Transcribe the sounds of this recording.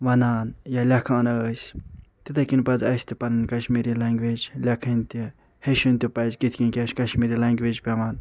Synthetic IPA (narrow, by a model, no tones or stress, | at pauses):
ʋɐnaːnjalʲɐkʰãːnəəːsʲt̪it̪ɐkinpɐzɐsʲt̪ipɐnɨnkɐʃmiːɾilɐŋɡʋeːd͡ʒlʲɐkʰɐnʲt̪i | heʃunʲt̪ipɐzkit̪ʰʲkʲinkʲɐʃkɐʃmiɾilɐŋɡʋeːd͡ʒpʲɐmɐːn